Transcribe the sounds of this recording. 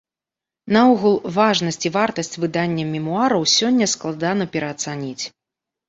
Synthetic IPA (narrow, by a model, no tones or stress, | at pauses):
nauɣulˠvaʐnɐsʲt͡sʲivart̪ɐsʲt͡sʲvɨd̪anʲːɐmʲɛmuaɾɐwsʲɔnʲːɐsklˠad̪anɐpʲɛɾɐːt̪sanʲit͡sʲ